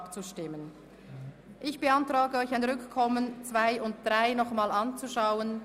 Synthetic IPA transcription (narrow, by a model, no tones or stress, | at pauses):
pt͡suʃtɪmːən | ʔɪçb̥əantʁ̥aːɡəɔʏçaɪnʁʏkkʰːɔmənt͡sv̥aɪʊnt̚d̥ʁaɪnɔχmaːlant͡suʃaʊən